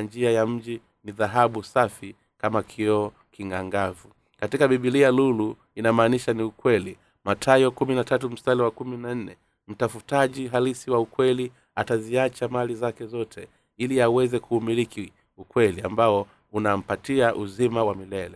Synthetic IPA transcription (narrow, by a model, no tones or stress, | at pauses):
nd͡ʒiajam̩ʄi | niðaɦaɓusafi | kamakʰiɔ | kiŋɡaŋɡavu | katikaɓiɓilialulu | inamaːniʃaniukwɛli | matʰajɔkuminatatum̩staliwakuminan̩nɛ | m̩tafutaʄiɦalisiwaukwɛli | ataziat͡ʃamalizakɛzɔtʰɛ | iliawɛzɛkʰuːmiɾikʰi | ukwɛlia̰mbaɔ | unam̩patiaʔuzimawamilɛlɛ